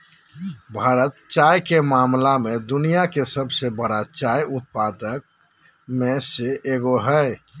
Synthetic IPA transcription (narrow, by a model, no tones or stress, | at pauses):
bʱaɾət̪t͡ʃajkemamlamed̪unijakesəbsebəɾat͡ʃajut̪̚pad̪ək̚ | meseʔeɡoɦəe